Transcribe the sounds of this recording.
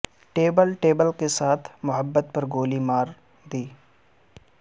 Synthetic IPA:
ʈeːbəlʈeːbəlkesaːt̪ʰmʊɦəbːət̪̚pɐɾɡoːlimaːɾ | d̪iː

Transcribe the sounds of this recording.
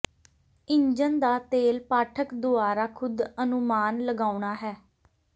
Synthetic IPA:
ɪɲd͡ʒənd̪aːt̪eːlpaːʈʰəkd̪ʊaːɾaːkʰʊd̪ənʊmaːnləɡaːuɳaːɦɛː

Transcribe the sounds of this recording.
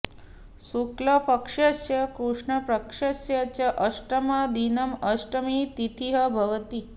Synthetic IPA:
suklɐpɐkʂɐsjɐkɾuʂɳɐpɾɐkʂɐsjɐt͡ɕɐʔɐʂʈɐmɐd̪inɐmɐʃʈɐmit̪it̪ʰiɦɐbʱɐʋɐt̪i

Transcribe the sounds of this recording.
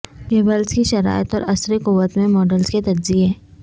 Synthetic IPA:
keːbəlskiʃɐɾa̰ːɪət̪ɔːɾɐsɾekuʋət̪mẽmɔːɖəlzket̪ɐɾzieː

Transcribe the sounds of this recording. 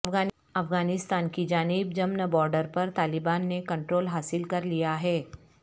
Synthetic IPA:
ɐfɡaː | ɐfɡaːnɪst̪aːnkid͡ʒaːnɪbd͡ʒɐmnbɔːɾɖəɾpɐɾt̪aːlɪbaːnːekɐ̃ɳʈɾoːlɦaːsɪlkɐɾlijaɦɛː

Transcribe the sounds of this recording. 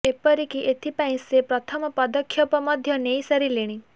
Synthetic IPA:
epɔɾikiʔet̪ʰipaĩsepɾɔt̪ʰɔmɔpɔd̪ɔkʰːjɔpɔmɔd̪ʱjɔnejsɐɾileɽ̃ĩ

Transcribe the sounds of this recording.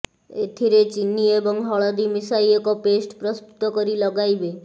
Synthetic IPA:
et̪ʰiɾet͡ʃinːiebɔŋɦɔɭɔd̪imisajekɔpesʈpɾɔst̪u̥t̪ɔkɔɾilɔɡajbe

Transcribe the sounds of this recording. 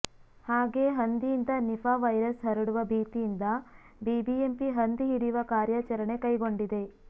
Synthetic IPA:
haːɡe̞ːɦɐnd̪ijind̪ɐnipaːʋɐjɾɐsɦɐɾɐɽuʋɐbʱiːt̪ijind̪ɐ | biːbiempiɦɐnd̪iɦiɾiʋɐkaːɾjaːt͡ʃɐɾɐɳe̞kɐjɡo̞ɳɖid̪e̞

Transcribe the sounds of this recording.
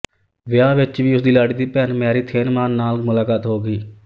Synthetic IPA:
ʋɪjaːʋɪt͡ʃʋiːʊsd̪iːlaːɽiːd̪iːpɛːnmjaːɾiːt̪ʰeːnmaːnaːlmʊlaːkaːt̪ɦoːɡiː

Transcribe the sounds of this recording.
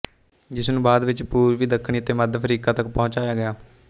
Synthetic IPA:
d͡ʒɪsnũːbaːd̪ʋɪt͡ʃpuːɾʋiːd̪əkʰːɳ̃iːət̪eːməd̪pʰəɾiːkaːt̪ək̚pɔ̃ːt͡ʃaːjaːɡɪjaː

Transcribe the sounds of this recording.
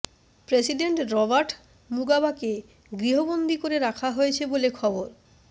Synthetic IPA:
pɾesiɖeɳʈɾɔbaɾʈ | muɡabake | ɡɾiɦobond̪ʱikoɾeɾakʰaɦojet͡ɕʰebolekʰɔboɾ

